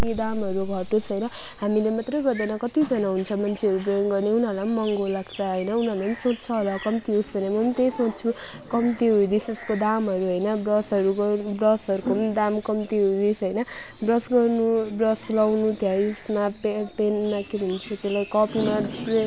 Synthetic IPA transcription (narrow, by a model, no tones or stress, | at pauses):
piɖamɦʌɾuɡʱʌʈosɦʌjnʌ | ɦamilemat̪rʌjɡʌrd̪ʌnʌkʌt̪id͡zʌnaɦunt͡sʰʌmʌnt͡sʰeʌɾubrʌjoŋɡʌrneunɦʌrlamːʌŋɡolaɡt͡sʰʌɦʌjnʌunɦʌrlaʌmsõtt͡sʰʌɦolʌkʌmt̪iusbʱʌnamʌmt̪esõtt͡sʰu | kʌmt̪iɦujd̪iseskod̪amɦʌɾuɦʌjnʌbrʌsɦʌɾuʌbrʌsʌɾukomd̪amkʌmt̪iɦud̪isɦʌjnʌ | brʌsɡʌrnubrʌslʌwnut̪ʰijajusmapepenmakebʱʌnt͡sʰut̪elajkʌpimapre